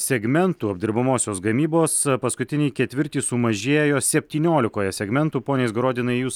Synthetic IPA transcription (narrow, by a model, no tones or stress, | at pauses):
sʲɛɡmʲɛnt̪uːɐbʲd̪ʲɪɾbɐmoːsʲoːsɡɐmʲiːboːspɐskʊt̪ʲɪnʲɪːkʲɛt̪ʲʋʲɪɾʲt̪ʲiːsʊmɐʒʲeːjoːsʲɛpʲt̪ʲiːnʲoːlʲɪkoːjɛsʲɛɡmʲɛnt̪uːpoːnʲeːsɡɾoːd̪ʲɪnɐɪjuːs